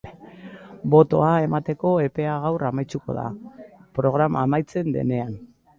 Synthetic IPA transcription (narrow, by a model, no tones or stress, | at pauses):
bo̞t̪o̞ae̞mat̪e̞ko̞e̞pe̞aɣ̞awramajt͡suko̞̰ða̰pɾo̞ɣ̞ɾamaːmajt͡se̞nd̪e̞̰ne̞an